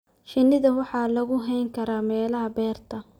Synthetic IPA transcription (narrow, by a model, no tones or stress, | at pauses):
ʃɪnːɪðɐwɑħɑːlɐɣʊɦɛjŋkʰɐɾaːmɛːlɐɦɐbɛːrt̪ʰɐ